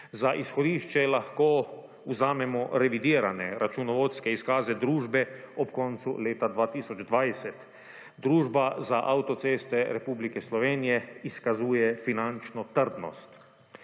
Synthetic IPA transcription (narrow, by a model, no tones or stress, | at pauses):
zaʔisxɔd̪iːʃt͡ʃɛlaxkoː | uzaːmɛmɔɾɛʋid̪iːɾanɛɾat͡ʃunɔʋoːt̪skɛiskaːzɛd̪ɾuːʒbɛɔpkɔnt̪sṵleːt̪ad̪ʋaːt̪iːsɔd͡ʒd̪ʋajsɛt̪ | d̪ɾuːʒbazaʔawt̪ɔt̪seːst̪ɛɾɛpublikɛslɔʋeːnijɛiskazuːjɛfinant͡ʃnɔt̪əɾd̪nɔ̰st̪